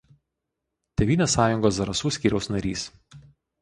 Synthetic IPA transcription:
t̪ʲɛʋʲiːnʲeːsɑːjʊŋɡoːsɐɾɐsuːsʲkʲiːɾʲɛʊsnɐɾʲiːs

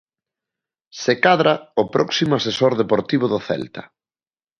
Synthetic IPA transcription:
sekaðɾaʊpɾɔksimoasesoɾðepoɾt̪iβoðʊθɛ̰lt̪ɐ̥

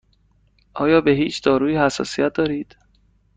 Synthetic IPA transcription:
ʔɒːjɒːbe̞ɦiːt͡ʃʰd̪ɒːɾuːiːhæsːɒ̰ːsijæt̪̚ʰd̪ɒːɾiːd̪̥

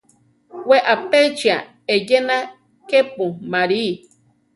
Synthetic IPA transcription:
weʔapet͡ʃia | ejenã | kepumãɾi

